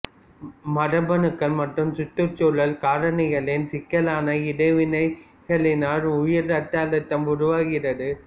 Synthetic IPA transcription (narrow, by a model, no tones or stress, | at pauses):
mɐɾɐbɐnɯkːɐɭmɐʈrɯmsʊt̪ːɯɾt͡ʃoːɭɐlkaːɾɐɳɪɣɐɭɪnsɪkːɐlaːnɐɪɽɐɪʋɪnɐɪ | ɣɐɭɪnaːɾʊjɪɾɐʈːaːlɐt̪ːɐmʊɾʊʋaːɣɪrɐðɯ